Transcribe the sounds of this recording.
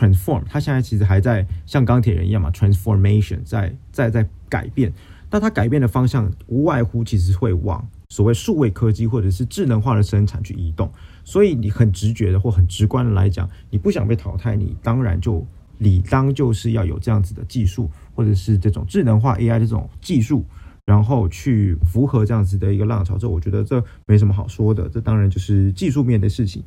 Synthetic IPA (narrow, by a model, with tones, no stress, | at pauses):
tʰɹɛ˨˧nsfɔ˥˩mt̪ʰa˥ɕjɛ˥˧nt͡sa˥˩t͡ɕʰi˧˥ʂɻ̩˧˥xa˧˥ɪt͡sa˥˧ɪɕjɑ˥˩ŋkɑ˥ŋt̪ʰjɛ˨˩ɻə̰˧n˧jɑ˥˩ma̰˨˩t̪ʰɹæ˨˧nsfɔ˧˥me˥ɪʂɔ̰˨˧nt͡sa˥˩ɪt͡sa˥˧ɪt͡sa˥˩ɪ | ka̰˨˩ɪpjɛ˥˩n | na˥˩˨t̪ʰa˥ka˨˩ɪpjɛ˥˩nd̪ə˩fɑ˥ŋɕjɑ˥˩ŋu˧˥wa˥˩ɪxu˥t͡ɕʰi˧˥ʂ̬ɻ̩˧xwe˥˩ɪwɑ̰˨˩˦ŋ | swɔ˨˩we˥˩əʂu˥˧we˥˩ɪkʰɤ˥t͡ɕi˥˧xwɔ˥˩ʈ͡ʂɤ˨˩ʂɻ̩˥˧ʈ͡ʂɻ̩˥˩nə˧˥ŋxwa˥˩d̪ə˩ʂə˥nʈ͡ʂʰa̰˨˩nt͡ɕʰy˥˩ʔi˧˥t̪ʊ˥˩ŋ | swɔ˧˥i˨˦ni˨˩xə˨˩nʈ͡ʂɻ̩˧˥t͡ɕɥɛ˧˥d̪ə˧xwɔ˥˩xə˨˩nʈ͡ʂɻ̩˧˥kwa˥nd̪ə˨la̰˧˥ɪt͡ɕjɑ̰˨˩˦ŋni˨˩pu˥˩ɕjɑ˨˩ŋpe˥˩ɪt̪ʰɑ˧˥ʊt̪ʰa˥˩ɪnḭ˨˩t̪ɑ˥ŋɻa̰˧˥nt͡ɕjo˥˩ʊ | li˨˩t̪ɑ˥ŋt͡ɕjo˥˧ʊʂɻ̩˥˧jɑ˥˩ʊjo̰˨˩ʊʈ͡ʂɤ˥˧jɑ˥˩ŋd͡zɹ̩˨˩d̪ə˩t͡ɕi˥˧ʂu˥˩xwɔ˥˩ʈ͡ʂɤ˨˩ʂɻ̩˥˧ʈ͡ʂɤ˥˩ʈ͡ʂʊ˨˩ŋʈ͡ʂɻ̩˥˩nɤ˧˥ŋxwa̰˥˧ʔe˥ɪa˥˧ɪʈ͡ʂɤ˥˩ʈ͡ʂʊ̰˨˩ŋt͡ɕi˥˧ʂu˥˩ɻa˧˥nxo˥˧ʊt͡ɕʰy˥˩fu˧˥xɤ˧˥ʈ͡ʂɤ˥˧jɑ˥˩ŋd͡zɹ̩˨˩d̪ə˩i˧˥ɡə˧lɑ˥˩ŋʈ͡ʂʰɑ˧˥ʊʈ͡ʂɤ˥˩wɔ˨˩t͡ɕɥɛ˧˥d̪ə˧ʈ͡ʂɤ˥˧me˧˥oʂmə˧xɑ˨˩ʊʂwɔ˥d̪ə̰˨˩ʈ͡ʂɤ˥˧t̪ɑ˥ŋɻa˨˧˥nt͡ɕjo˥˧ʊʂɻ̩˥˩t͡ɕi˥˧ʂu˥˧mjɛ˥˩nd̪ə˩ʂɻ̩˥˩t͡ɕʰḭ˩˦ŋ